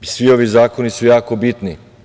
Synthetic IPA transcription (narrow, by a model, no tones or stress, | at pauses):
sʋio̞ʋizaːkonisujaːko̞bit̪ni